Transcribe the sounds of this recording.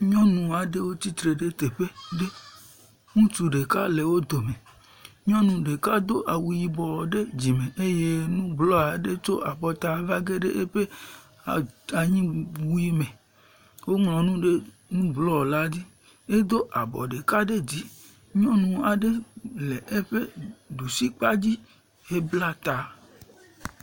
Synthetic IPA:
ɲɔ̃˦nũ˨a˨ɖe˦wo˦t̪i˦t̪ɾe˨ɖe˦t̪e˨ɸe˦ɖe˦ | ŋũ˦tu˨ɖe˨ka˦le˨wo˦d̪o˨mẽ˨ | ɲɔ̃˦nũ˨ɖe˨ka˦d̪o˦ʔa˨wu˨ji˨bɔ˨wɔ˨ɖe˦d͡ʑi˨mẽ˨ʔe˦je˦nũ˦blɔ˦a˨ɖe˦t͡ʃo˦ʔa˨bɔ˨t̪a˨va˦ɡe˦ɖe˦ʔe˦ɸe˦˨ | a˨ɲĩ˦wu˦ji˦mẽ˨ | wo˦mlɔ̃˨nũ˦ɖe˦ | nũ˦blɔ˦ɔ˨la˦d̪i˦ | e˦d̪o˦ʔa˨bɔ̰˨ɖe˨ka˦ɖe˦d͡ʑi˦ | ɲɔ̃˦nũ˨a˨ɖe˦le˨ʔe˦ɸe˦ɖu˨si˦k͡pa˦d͡ʑi˦ | e˦bla˦t̪a˨

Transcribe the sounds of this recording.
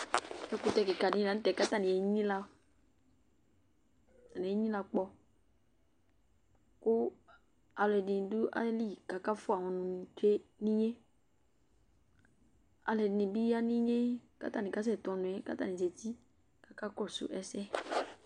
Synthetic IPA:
ɛ˦kʊ˦tɛ˧kɪ˨ka˨dɪ̃˦la˨n̩˦tɛ˨ka˦ta˦˨nɪ̃˨ɛ˨˦ɲĩ˦la˧ | ta˨nĩ˨e˨˦ɲĩ˦la˧k͡pɔ˧ | kʊ˦ | a˨lɛ˨dɪ̃˨dʊ˦ʔa̰˦li˦ka˨ka˦fʊ˦a˨wɔ̃˨nʊ̃˨t͡ʃe˦nĩ˦ɲe˦ | a˨lɛ˨dɪ˨nɪ̃˨bi˦a˦nĩ˦ɲe˦ka̰˦ta˦nɪ̃˨ka˦s̬ɛ˦˨tɔ˨nʊ̃˨ɛ˨ka˦ta˦˨nĩ˨se˨ti˦ | ka˨ka˦kɔ˦˨sʊ̰˨ʔɛ˦sɛ˦

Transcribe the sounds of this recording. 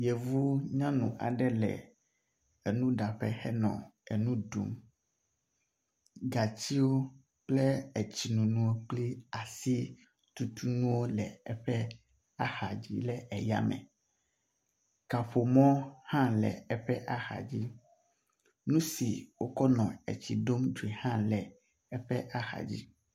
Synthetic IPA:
jɛ˨vu˦ɲã˦nũ˨ʔa̰˨ɖɛ˦lɛ̰˨ | e˨nũ˦ɖa˨ɸɛ̰˦xɛ˦nɔ̰̃˨ɛ˨nũ˦dṵ˦m | ɡa˨t͡ɕi˦wo˦ | k͡plɛ˦ɛ˨t͡ɕi˨nũ˨nũ˦wo˦k͡pli˦a˨si˦ | t̪u˦t̪u˦nũ˦wo˦lɛ˨ɛ˦ɸɛ˦ | a˦xa˨d͡ʑḭ˦lɛ˦ɛ˨ja̰˦mɛ̰̃˨ | ka˨ɸo˨mɔ̃˦hã˦lɛ̰˨ɛ˦ɸɛ˦ʔa˦xa̰˨d͡ʑi˦ | nũ˦si˨wo˦kɔ˦nɔ̃˨ḛ˨t͡ɕi˨ɖo˦mdu˨e˨hã˦lɛ˨ | ɛ˦ɸɛ˦ʔa˦xa̰˨d͡ʑḭ˦

